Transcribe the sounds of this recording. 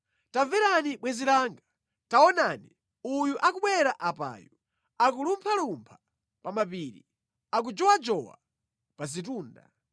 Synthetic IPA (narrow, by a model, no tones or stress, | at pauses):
taɱvɛɾaniɓwɛzilaːŋɡa | taɔnaːni | ujuʔak̬uɓwɛɾaʔapa̰ːju | ak̬ulumpʰalumpʰḁ | pamapiɾḭ | ak̬ud͡ʒɔwad͡ʒɔwa̰ | pazit̬uːnda̰